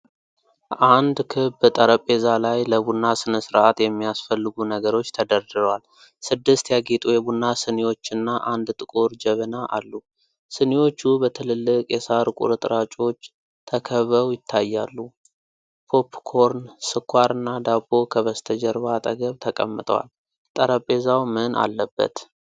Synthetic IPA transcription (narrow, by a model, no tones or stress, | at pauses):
ʔand̪kʰɨbt̪ʼəɾəpʼːe̞zalajləbunːasɨnəsɨɾat̪jɛmːijasfəlːɨɡunəɡəɾo̞t͡ʃːt̪ʰəd̪əɾd̪ɨɾwal | sɨd̪ːɨst̪jaɡet̪ʼujɛbunːasɨnewo̞t͡ʃːɨnːaʔand̪t̪ʼɨkʼoɾd͡ʒɛβənaʔa̰lːu | sɨnewo̞t͡ʃːubət̪ʰɨlɨlːɨkʼjɛsaɾkʼṵɾɨt̪ʼɨɾat͡ʃʼo̞t͡ʃː | t̪ʰəkʰəβəwjɪt̪ʰːajːalːu | pʰo̞pʰːkʰo̞ɾnsɨkʰʷːaɾɨnːad̪abːo̞kʰəβəst̪ʰəd͡ʒɛɾβat̪ʼəɡəβt̪ʰəkʼə̰mːɨt̪ʼə̰wa̰l | t̪ʼəɾəpʼːe̞zawmɨnʔa̰lːəbːə̰t̪